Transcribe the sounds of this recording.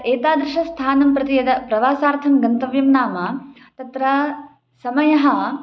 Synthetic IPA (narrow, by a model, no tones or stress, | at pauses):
eːt̪aːd̪ɾɪʃɐst̪ʰaːnɐmpɾɐt̪ijɐd̪ɐpɾɐʋaːsaːɾt̪ʰɐmɡɐnt̪ɐʋjɐmnaːmɐ | t̪ɐt̪ɾɐ | sɐmɐjɐɦɐ